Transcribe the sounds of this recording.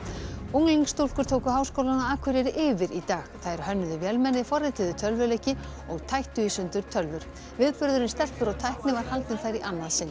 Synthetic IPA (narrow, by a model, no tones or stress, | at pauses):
owŋliŋkst̪owl̥kʏɾ̥t̪ʰoːwkʏɦaːwskowlanaaːkʰɪɾɛɾʔɪːvɪɾit̪aːɣθaɾ̥hœnːʏðʏvjɛlmɛnːɪfɔrːɪt̪ɪðʏt̪ʰœlvʏlejcɪ | ɔɣt̪ʰajht̪ʏisʏnt̪ʏɾ̥t̪ʰœlvʏɾ̥ | vɪðpʏɾðʏɾɪnst̪ɛr̥pʏɾɔɣt̪ʰajhknɪvaɾ̥halt̪nʏmθajɾiʔanːaðsɪnː